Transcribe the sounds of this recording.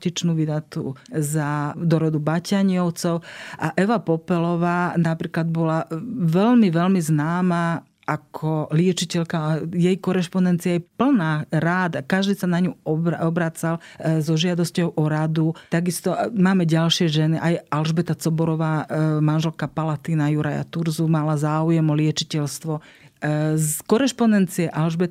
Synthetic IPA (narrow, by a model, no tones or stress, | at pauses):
cit͡ʃnuːʋid̪at̪uzad̪ɔɾɔd̪ubacaɲɪɔʊt͡sɔʊʔaʔɛʋapɔpɛlɔʋaːnapɾiːklad̪̚bɔlaʋɛʎmiʋɛlmiznaːma | ʔakʰɔlɪɛt͡ʃicɛʎkajɛjkɔɾɛʃpɔnɛnt̪t͡siajɛpl̩naːɾaːd̪kaʒd̪iːsanaɲuɔɔbɾat͡salzɔʒɪad̪ɔscɔʊʔɔɾad̪ut̪aɡist̪ɔmaːmɛɟalʃɪɛʒɛniʔajalʒbɛt̪at͡sɔbɔɾɔʋaːmanʒɛlkapalat̪iːnajuɾʔa̰ja̰t̪uɾzumalazaːujɛmɔlɪɛt͡ʃicɛlst̪ʋɔ | zkɔɾɛʃpɔnɛnt͡siɛʔalʒbɛt̪